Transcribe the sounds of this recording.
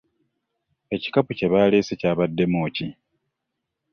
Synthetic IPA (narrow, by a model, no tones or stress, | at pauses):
e̞ci̥kapuce̞βaːleːsecaːβadːe̞moːci